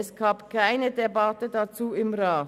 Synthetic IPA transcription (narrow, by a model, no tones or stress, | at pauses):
ɛsɡ̥aːpkʰaɪnədebatədat͡suːɪmʁaː